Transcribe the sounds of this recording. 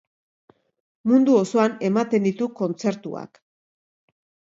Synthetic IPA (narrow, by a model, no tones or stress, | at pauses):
mund̪uoso̞ane̞mat̪e̞nd̪it̪uko̞nt͡se̞ɾt̪ua̰k